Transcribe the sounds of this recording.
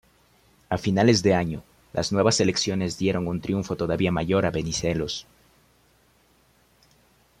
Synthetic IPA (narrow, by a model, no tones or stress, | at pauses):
afinale̞zðe̞aɲo̞ | lʔa̰znwe̞βase̞le̞ksjo̞ne̞zd̪je̞ɾo̞ŋunt̪ɾjuɱfo̞t̪o̞ðaβiamaʝo̞ɾaβe̞nise̞lo̞s